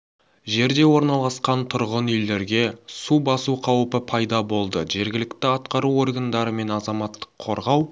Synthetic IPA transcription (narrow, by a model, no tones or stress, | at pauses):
ʒe̞ɾd̪e̞wo̞ɾnɑlˠɑsqɑnt̪ʰʊɾʁənʏld̪e̞ɾɡʲe̞subɑsuqʰɑwəpəpʰɑjd̪ɑbo̞lˠd̪əʒe̞ɾɡʲɪlɪkt̪ɪɑt̪qɑɾuo̞rɡand̪ɑɾəme̞nɑzɑmɑt̪ːə̥qʰːo̞̰ɾʁɑw